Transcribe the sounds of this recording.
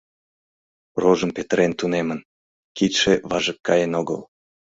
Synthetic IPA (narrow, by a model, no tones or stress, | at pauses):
roʒənpet̪əɾent̪unemən | kit̪ʃeβɑʒəkːɑjenoɣə̰l